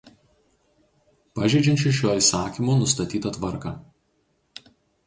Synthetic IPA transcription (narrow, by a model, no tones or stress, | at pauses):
pɐʒʲɛd͡ʒʲɪnʲt͡ʃʲʊʃʲjoːiːsɑːkʲimoːnʊst̪ɐt̪ʲiːt̪ɐt̪ʋɐɾkɑ